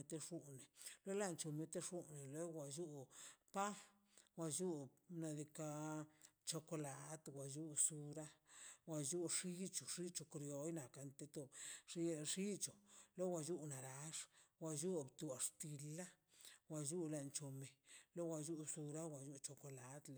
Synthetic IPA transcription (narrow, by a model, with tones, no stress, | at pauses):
e˧t̪e˧ʂu˦ne˨lwe˦la˦˨nt͡ʃo˧me˧t̪e˦ʂu˦ne˨le˦wa˧ju˦pa˦ | wa˧ju˦na˧d̪i˧ka˧ | t͡ʃo˧ko˧la˨˧t̪wa˨ju˦su˧ɾa˦wa˧ju˦ʂi˦t͡ʃo˨ʂi˦t͡ʃo˧kɾjo˨jna˨ka˧nt̪e˧t̪o˧ʂi˦ʂi˦t͡ʃo˨lo˦wa˧ju˦na˨ɾa˨˦ʂwa˧ju˦bt̪u˨a˨ʂt̪i˧lːa˦ | wa˧ju˦la˧nt͡ʃo˨me˨lo˦wa˧ju˦su˧ɾa˦wa˨ju˦t͡ʃo˧ko˧la˨˦d̪